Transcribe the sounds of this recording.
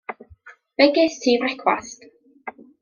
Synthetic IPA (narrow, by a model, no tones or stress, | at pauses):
v̥ɛɡɪstʰiːvrɛkʰwa̰st